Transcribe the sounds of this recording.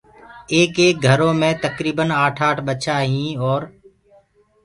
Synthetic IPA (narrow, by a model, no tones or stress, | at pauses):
eːkeːk̚ɡʱəɾõːmẽːt̪əkɾiːbənaːʈʰaːʈɓət͡ʃʰaːɦĩːɔːɾ